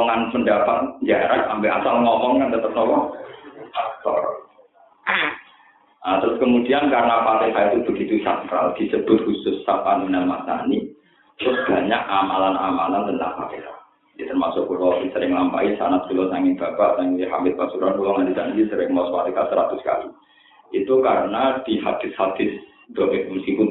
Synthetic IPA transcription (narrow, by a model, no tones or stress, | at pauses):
ɔŋanpəndapat̪̚ɲd͡ʒaeɾahsampɛa̰salŋɔmɔŋkant̪ət̪əp̚nɔlɔ | fak̚t̪ɔ̰ri | ʔat̪ɾʊskəmud̪̥iankaɾənapat̪esait̪ub̥əɡit̪usa̰t̚ɾa̰ld̪̥i̤səb̥ʊ̤t̪̚husʊsːapaninanmasa̰ni | t̪ɾʊsb̥a̤ɲakamalanamalant̪əna̰hpa̰t̪ḛsa̰ | jɛt̪ərmasʊʔkulɔʔisəɾɪŋlampa̰isanat̪̚kulɔsaŋɪnb̥a̤b̥aʔsaŋɦa̰mɪt̪̚b̥asuɾankulɔŋand̪isandisəɾɪŋmɔspat̪ikasəɾat̪ʊska̰lḭ | it̪ukaɾənad̪̥i̤hab̪̥ɪ̤shab̥ɪ̤s | d̪̥obɪt̪̚muskipʊn